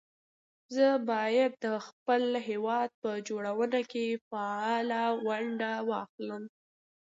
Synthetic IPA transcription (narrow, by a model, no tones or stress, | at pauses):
zəbɑjad̪̚ːəxpəlɦewɑd̪̚pəd͡ʒoɽawənakefɑɑlawaɳɖawɑxləm